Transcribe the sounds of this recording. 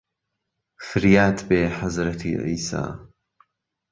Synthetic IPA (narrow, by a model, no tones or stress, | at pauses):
fɪɾjaːt̪beːħazɾɐt̪ʰḭʕḭːsa̰ː